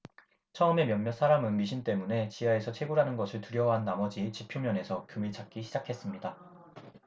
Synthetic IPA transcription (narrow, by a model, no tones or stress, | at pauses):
t͡ɕʰʌɯme̞mjʌnːjʌs͈ʰaɾamɯnɡiɕ̬ʰint͈e̞mune̞t͡ɕijae̞sʰʌt͡ɕʰeɡuɾɦanɯnɡʌsʰɯɭtɯɾjʌwaɦanːamʌd͡ʑit͡ɕipʰjomjʌne̞sʰʌkjumit͡ɕak̚k͈iɕʰid͡ʑakʰe̞s͈ɯmɲida